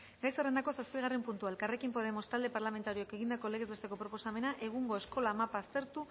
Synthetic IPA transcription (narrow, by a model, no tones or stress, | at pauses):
ɡajsere̞nd̪ako̞saspiɣ̞arempunt̪uaelkare̞kimpo̞ð̞e̞mo̞st̪ald̪e̞paɾlame̞nt̪aɾio̞ake̞ɣind̪ako̞le̞ɣe̞zβe̞st̪ekopɾo̞po̞same̞naʔe̞ɣ̞uŋɡo̞e̞sko̞lamapast̪e̞ɾt̪u